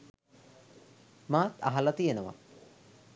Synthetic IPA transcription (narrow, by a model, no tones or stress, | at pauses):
maːt̪a̰ɦalɐt̪ijenəʋa̰